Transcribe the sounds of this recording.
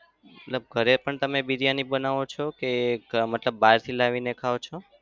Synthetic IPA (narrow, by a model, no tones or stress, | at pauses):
mmət̪ləb̚ɡʱəɾepəɳt̪əmebiɾijanibənaʋot͡ʃʰokemət̪ləbːaɾt̪ʰilaʋinekʰaot͡ʃʰo